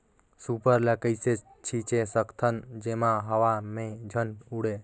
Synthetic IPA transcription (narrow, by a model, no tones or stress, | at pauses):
supəɾlakəjse | t͡ʃʰit͡ʃesəkt̪ʰənd͡ʒemãɦəʋamẽd͡ʒʱənuɽe